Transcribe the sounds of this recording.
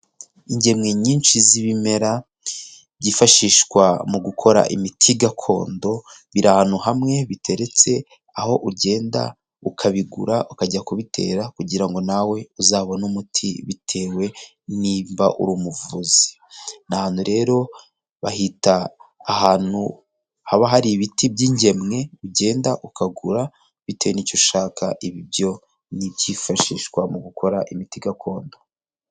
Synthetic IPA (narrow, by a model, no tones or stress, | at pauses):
iɲɟe̞mŋeɲiːnʃiziβime̞ɾa | βɟifaʃiːʃkwamuɡukʰo̞ɾa̰ʔḭmitʰiɡakʰo̞̰ːndo̞βiɾanuhamŋe̞βitʰe̞ɾe̞t͡se̞ | aho̞ʔuɟe̞ːnda̰ | ukʰaβiɡṵɾaukaɟakuβitʰe̞̰ːɾakuɟiɾaŋɡo̞nawe̞uzaːβonumutʰiβitʰe̞ːwe̞ | nimbaʔṵɾuːmuvuzi̥ | nahaːn̥huɾe̞ːɾo̞ | βahitaːhaːn̥u | haβaɦaɾiβitibɟiːɲɟe̞mŋe̞uɟe̞ːndaʔukaɡuɾa | βite̞wenico̞ʃaːkʰa̰ʔiβibjo̞ | nibjifaʃiʃkwamuɡukʰo̞ɾaʔimitiɡakʰo̞ːndo